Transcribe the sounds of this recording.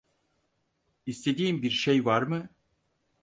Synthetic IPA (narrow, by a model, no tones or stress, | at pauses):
ist̪ʰed̪iːmbiɾʃejvaɾmɯ